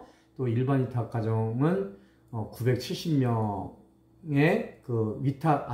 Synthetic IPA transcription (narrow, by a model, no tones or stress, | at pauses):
t͈oiɭbanɥitʰak͈ad͡ʑʌŋɯn | ʌkube̞k̚t͡ɕʰiɭɕ͈imɲʌ | ŋekɯɥitʰaʔa